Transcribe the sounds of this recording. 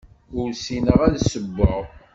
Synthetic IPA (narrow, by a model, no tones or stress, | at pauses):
ʊɾsinəʁæðsəbːəʁ